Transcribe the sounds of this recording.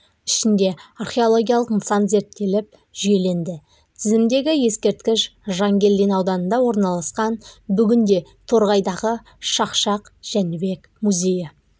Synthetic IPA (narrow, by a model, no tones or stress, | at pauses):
ɪʃɪnd̪e̞arχʲe̞olˠo̞ɡʲijɑlˠəqnəsɑnze̞ɾt̪ːe̞lɪp̚ | ʒ̥ʏje̞le̞nd̪ɪ | t̪ʰɪzɪmd̪e̞ɡʲɪje̞skʲe̞ɾt̪kʲɪʃʒɑŋɡʲe̞ld̪enɑwd̪ɑnənd̪ɑwo̞ɾnɑlˠɑsqɑnbʏɡʲɪnd̪e̞t̪ʰo̞ɾʁɑjd̪ɑʁə | ʃɑqʃɑqʒ̥ænɪbe̞k | muzʲe̞jɪ